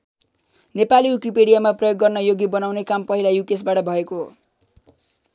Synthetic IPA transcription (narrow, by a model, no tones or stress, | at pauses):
nepaliwukipeɽijamaprʌjoɡːʌrnʌjoɡibʌnawnekampʌɦilajukes̬baʈʌbʱʌeko̰